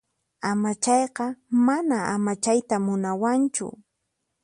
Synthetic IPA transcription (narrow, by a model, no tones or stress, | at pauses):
amat͡ʃɑjqɑmanaamat͡ʃajt̪amʊnawant͡ʃʊ̰